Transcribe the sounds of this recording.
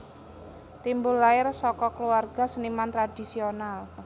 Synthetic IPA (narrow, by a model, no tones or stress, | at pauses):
t̪imbʊlːaɪrsɔkɔkluarɡ̥a̤sənimant̪ɾad̥i̤sional